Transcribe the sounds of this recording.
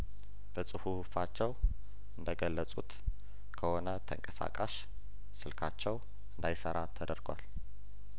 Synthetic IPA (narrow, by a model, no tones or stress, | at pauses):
b̥əsʼɨhuhufat͡ʃːɛw | ɨnd̪əɡəlːəsʼut̪ | kʰəho̞nət̪ʰəŋkʼəsa̰kʼaʃ | sɨlkʰat͡ʃːɛw | ɨnd̪ajsəɾat̪ʰːəd̪əɾɡʷa̰l